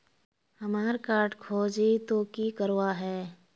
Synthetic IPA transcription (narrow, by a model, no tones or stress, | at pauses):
hɐmaːɾkaːɾʈkʰoːd͡ʒit̪okikəɾwaɦɛː